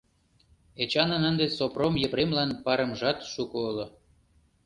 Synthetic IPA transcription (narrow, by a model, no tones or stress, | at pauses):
et͡ɕɑnənənd̪esopromjə̆pɾemlɑnpɑɾə̆mʒɑt̪ʃukoolŏ